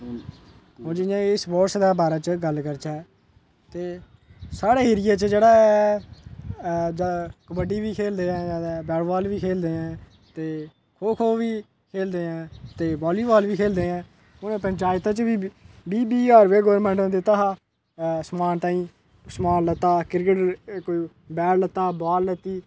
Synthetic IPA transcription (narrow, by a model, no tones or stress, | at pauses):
ɦõːd͡ʒɪjãːsboːɾsd̪aːbaːɾaːt͡ʃəɡəlkəɾt͡ʃɛː | t̪eː | saːɽeːɦeːɾɪjaːt͡ʃd͡ʒeːɽaːɛ | d͡ʒakəbəɖiːʋiːkʰeːld̪eːɛ̃ːd͡ʒaːd̪bɛːɽʋaːlʋiːkʰeːld̪eːɛ̃ː | t̪eː | kʰoːkʰoːʋiː | kʰeːld̪eːɛ̃ːt̪eːbɔːliːbaːlʋiːkʰeːld̪eːɛ̃ː | ʊnẽːpəɲt͡ʃaːjɪt̪ãːt͡ʃʋiːbiːbiːəːɾʋeːɡɔːʋəɾmɛ̃ːɳʈõːd̪eːt̪aɦaː | smaːnt̪ãːĩː | smaːnlət̪ːaːkɪɾkəʈkoiː | bɛːɽlət̪ːaːbaːlːət̪iː